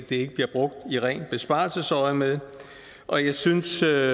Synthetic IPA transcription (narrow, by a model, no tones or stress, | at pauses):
d̥ee̝ɡ̥əb̥liɐb̥ʁɔ̽ɡ̥̚d̥iʁɛ̰ːn̚b̥e̝sb̥ɑ̈ːlsəsɒɪmeðˠ | ʔɒ̽jɑ̈ɪsynsø